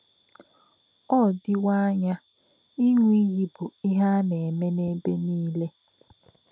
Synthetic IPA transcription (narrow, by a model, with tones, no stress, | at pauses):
ɔ˦˨dɪ˦wa˦ɲa˦ | i˦ŋʷ˦i˦ɣi˦bʊ˨i˦ɦa˦ne˨me˦ne˦be˦niː˦le˦